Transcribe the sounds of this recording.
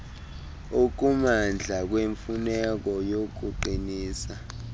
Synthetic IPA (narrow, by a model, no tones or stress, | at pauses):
uk̬umand͡ɮʱak̬weɱfunɛk̬ɔjok̬uǃiniːsa